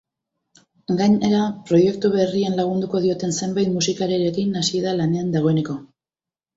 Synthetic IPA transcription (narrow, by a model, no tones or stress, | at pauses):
ɡaɲeɾapɾo̞je̞kt̪uβe̞rienlaɣ̞und̪uko̞ð̞io̞t̪e̞nse̞mbajt̪musikaɾeɾekinasieðalane̞and̪aɣo̞e̞ne̞ko̞